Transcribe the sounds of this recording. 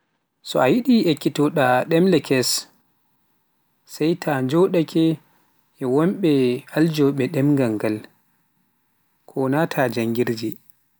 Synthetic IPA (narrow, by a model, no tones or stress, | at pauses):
sɔ̰ajiɗiekːitɔɗaɗɛmlɛkʰɛs | sajtʰaɲd͡ʒɔɗakʰɛ | ʔɛwɔmɓɛald͡ʒɔɓɛɗɛmŋɡaŋɡal | kʰɔnatʰad͡ʒaŋɡiɾd͡ʒi